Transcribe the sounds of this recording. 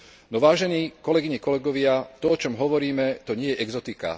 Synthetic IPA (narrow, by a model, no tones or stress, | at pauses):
nɔʋaːʒɛniːkɔlɛɡiɲɛkɔlɛɡɔʋɪat̪ɔɔt͡ʃɔmɦɔʋɔɾiːmɛt̪ɔɲɪɛjɛʔɛɡzɔt̪ika̰